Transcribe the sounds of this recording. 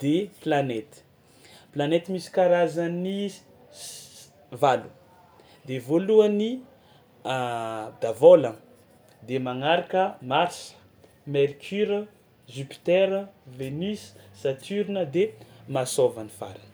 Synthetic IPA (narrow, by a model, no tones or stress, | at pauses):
d̪̥eplanet̪i̥ | planet̪imisi̥kaɾazani | valu̥ | d̪evoluəni | d̪avolə | d̪emaŋaɾakəmaɾsə̥ | meɾkʲʰyɾə | zypi̥t̪ɛɾəvenissat̪ʰyɾinəd̪emasovanifa̰ɾə